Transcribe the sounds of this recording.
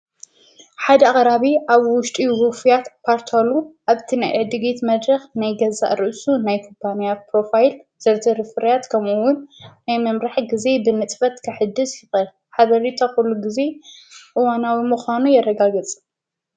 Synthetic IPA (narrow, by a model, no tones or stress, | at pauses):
ħad̪ɐaχʼɾaβiʔaβwʊʃt̪ʼiwufijat̪pʰaɾt̪ʰɐluʔaβt̪ʰina̰jʕɨd̪ɨɡet̪mɐd̪ɾɐxnajɡɐza̰ʔɾɨʔsunajkʰupʰːanijat̪pɾo̞fajlz̥ɐɾt̪ʰɐɾɨfɨɾjat̪kʰɐmuwːʊnːajmɐmɾaħɡize̞bɨnɨt̪ʼfɐt̪kʰɐħɨd̪ːɨsjɨxɐl | ħaβɐɾit̪ʰoxulːuɡize̞ʔɨwanawimuxʷanujɛɾɐɡaɡɨt͡sʼɨ